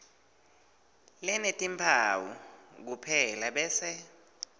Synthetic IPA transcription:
lɛnetʼimpʰawṵk̬upʰɛlaɓɛːsɛ

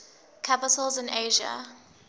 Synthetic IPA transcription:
kʰapɪtʰəlˠzɪ̃nʔeʒə̰

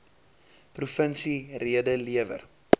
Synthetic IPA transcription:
prufənsiriədəliəvə̰r

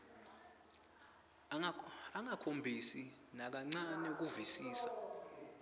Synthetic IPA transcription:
aŋakʰombʱisi | nak̬aŋ͡ǀanɛuk̬uvisiːsḁ

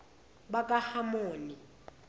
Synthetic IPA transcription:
ɓakʼahamoːni

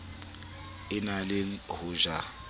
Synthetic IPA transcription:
ɪnalɪhʊʒa

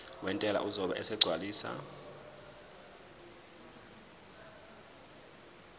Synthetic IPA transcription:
wʔɛntʼɛla̰ʔuzɔɓaʔɛsɛɡ͡ǀʱwaliːsa̰

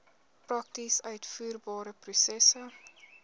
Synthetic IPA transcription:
prɐk̚tisœɥtfuːrbɑːɾəprusɛsə

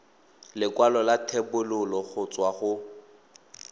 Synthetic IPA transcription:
lɪkʼwalɔlatʰɛbʊlʊlɔχʊt͡sʼwaχʊ

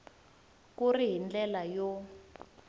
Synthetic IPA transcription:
kuriɦind͡ɮɛlajo

